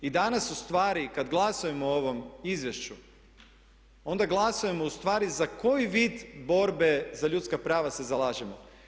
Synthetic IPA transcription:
id̪anasust̪ʋaːɾikad̪ɡlˠasuje̞mooʋo̞mizʋje̞ʃt͡ʃu | o̞nd̪aɡlˠasuje̞mo̞ust̪ʋaːɾizako̞jiʋiːd̪bo̞ɾbe̞zaʎut̪skapɾaːʋase̞zalˠaːʒemo

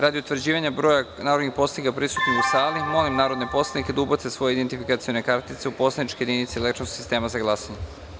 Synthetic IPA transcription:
ɾad̪iut̪ʋɾ̩d͡ʑiːʋaɲabɾojanaːɾod̪nixpo̞slanikapɾisut̪noiusaːlimo̞limnaːɾod̪nepo̞slˠaniked̪aubot̪sesʋo̞jeid̪ent̪ifikat̪sio̞ne̞kaɾt̪it̪se̞upo̞sled̪nit͡ʃkojed̪init̪selektt͡ʃosko̥sist̪e̞ːmazaɡlˠasaɲe

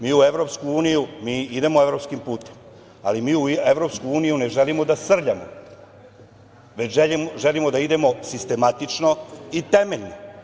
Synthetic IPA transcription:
miːue̞ʋɾo̞pskuuːnijumiːid̪e̞moe̞vɾo̞pskimpuːt̪e̞̥m | a̰limiːueʋɾo̞pskuuːnijune̞ʒe̞limo̞d̪asr̩ʎamo̰ | ʋet͡ɕʒeʒelimo̞d̪aid̪e̞mo̞sist̪e̞mat̪it͡ʂno̞it̪e̞me̞ʎno

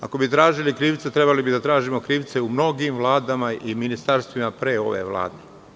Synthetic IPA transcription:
a̰ko̞bit̪ɾaːʒilikɾiːʋt̪set̪ɾe̞balibid̪at̪ɾaːʒimo̞kɾiːʋt̪seumno̞ɡimʋlˠaːd̪amaiminist̪aɾst̪ʋimapɾeːo̞̰ʋḛʋlˠa̰ːd̪e

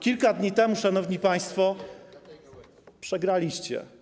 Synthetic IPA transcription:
kʲilkad̪ɲit̪ɛmuʂanɔvɲipaj̃st̪fɔ | pʂɛɡɾalʲiɕt͡ɕɛ̰

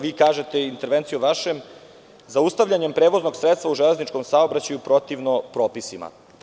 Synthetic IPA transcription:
ʋiːkaːʒe̞t̪e̞int̪e̞ɾʋe̞nt̪sijuʋaʃe̞m | zaust̪aʋʎaɲe̞mpɾeːʋo̞zno̞ɡsɾet̪st̪ʋauʒelˠe̞znit͡ʃko̞msaobɾat͡ɕajupɾo̞t̪iʋno̞pɾoːpisima̰

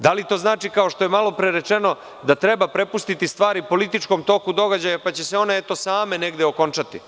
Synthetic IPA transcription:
d̪alit̪o̞ːznaːt͡ʃikaoʃt̪o̞je̞malˠo̞pɾeɾet͡ʃe̞no̞ | d̪at̪ɾe̞bapɾe̞pust̪it̪ist̪ʋaːɾipo̞lit̪it͡ʃko̞mt̪o̞kud̪o̞ɡad͡ʑajapat͡ɕe̞se̞o̞ne̞et̪o̞saːme̞ne̞ɡd̪eo̞ko̞nt͡ʃat̪ḭ

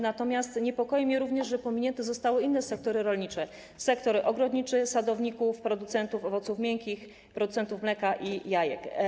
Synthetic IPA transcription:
nat̪ɔmʲjast̪ɲɛpɔkɔjɛmʲɲɛɾuvɲɛʐʐɛpɔmʲiɲɛnt̪ɛzɔst̪awɘinːɛsɛk̚t̪ɔɾɘɾɔlɲit͡ʂɛ | sɛkt̪ɔɾʔɔɡɾɔd̪ɲit͡ʂɛsad̪ɔvɲikufpɾɔd̪ut̪sɛnt̪ufɔvɔt̪sufmʲjɛŋkʲix | pɾɔd̪ut̪sɛnt̪ufmlɛkaʔijajɛ̰k

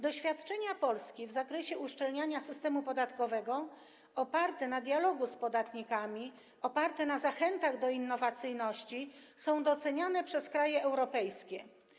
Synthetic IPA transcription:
d̪ɔɕfʲjat̪t͡ʂɛɲapɔlskʲivzakɾɛɕɛʔuʂt͡ʂɛlɲaɲasɘst̪ɛmupɔd̪at̪kɔvɛɡɔ | ɔpaɾt̪ɛnad̪jalɔɡuspɔd̪at̪ɲikamʲi | ɔpaɾt̪ɛnazaxɛnt̪aɣd̪ɔinːɔvat̪sɘjnɔɕt͡ɕisɔ̃w̃d̪ɔt̪sɛɲanɛpʂɛskɾajɛʔɛwɾɔpɛjskʲɛ

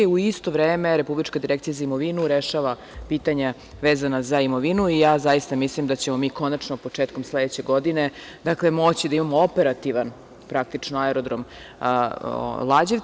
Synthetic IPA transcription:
uist̪o̞ʋɾeːme̞ɾe̞publit͡ʃkad̪iɾekt̪ijazaimo̞ʋinuɾeʃaʋa | piːt̪aɲa | ʋeːzanazaimo̞ʋinuijaːzajist̪amislimd̪at͡ɕe̞mo̞miːko̞nat͡ʂnopo̞t͡ʂeːt̪ko̞mslˠed̪et͡ɕe̞ɡo̞d̪ine̞ | d̪akle̞mo̞t͡ɕid̪aimamoope̞ɾat̪iʋan | pɾak̚t̪it͡ʂnoaeɾod̪ɾom | lˠad͡ʑeʋ

